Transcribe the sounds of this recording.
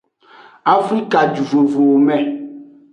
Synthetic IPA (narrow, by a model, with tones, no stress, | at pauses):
a˨fɾi˦ka˨d͡ʒu˨vo˨vo˨o˨mɛ̃˨